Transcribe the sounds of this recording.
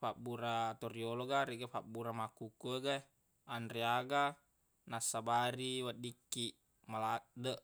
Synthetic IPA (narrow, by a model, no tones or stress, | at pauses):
fabuɾat̪orioloɡaɾiɡafabuɾamakukuəɡɛ | anɾiaɡa | nasabaɾiwat̪̚dikːi | maladəʔ